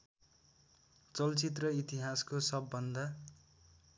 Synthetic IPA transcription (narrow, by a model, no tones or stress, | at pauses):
t͡sʌlt͡sit̪rʌit̪iɦaskosʌbːʌnd̪ʌ